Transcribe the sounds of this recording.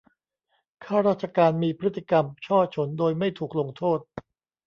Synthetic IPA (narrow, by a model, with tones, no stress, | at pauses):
kʰaː˥˩ɾaː˥˩t̪̚t͡ɕa˧kaː˧nmiː˧pʰɾt̪ːi˧˩ka˧mt͡ɕʰɔː˥˩t͡ɕʰo˩˦ndoː˧jma˥˩jt̪ʰuː˨˩k̚lo˧ŋt̪ʰoː˥˩t̪̚